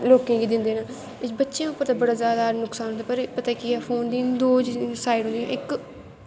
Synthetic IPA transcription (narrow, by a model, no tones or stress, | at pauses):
loːkẽːɡiːd̪ɪnd̪eːnaː | ɪbətːʃjãːʊpːəɾt̪ãːbəɽaːzjaːd̪aːnʊksaːnɦʊnd̪aːpəɾpət̪aːiːkiɛːpʰoːnd̪iːnd̪oːd͡ʒsaːiɖɦʊ̃nd̪ijã̰ːʔɪk